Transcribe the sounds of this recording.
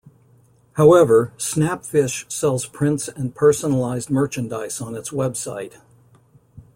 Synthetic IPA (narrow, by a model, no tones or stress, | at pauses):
haʊɛvə˞snæpfɪʃsɛlˠz̥pʰɹ̥ɪ̃ntsɨ̃npʰɜ˞sənəl̩aɪzmɜ˞t͡ʃɨ̃ndaɪsn̩ɨtswɛbsa̰ɪt̚